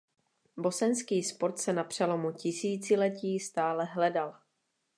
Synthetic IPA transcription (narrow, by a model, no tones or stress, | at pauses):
bo̞sɛnskiːspo̞ɾt̪sɛnapr̝̥ɛlo̞mucɪsiːt͡sɪlɛciːst̪aːlɛɦlɛdal